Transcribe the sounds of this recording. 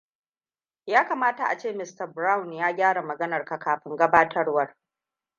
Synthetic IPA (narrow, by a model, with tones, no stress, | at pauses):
jaː˦kaː˨maː˦ta˨ʔa˨t͡ʃeː˦˨mɪ˦stɐ˨bɾa˦wnjaː˦ɡʲaː˦ɽa˨mɐ˨ɡɐ˦nɐ˨rka˨kaː˨ɸɪ˦ŋɡɐ˦baː˦tʰɐ˦rwɐ˦r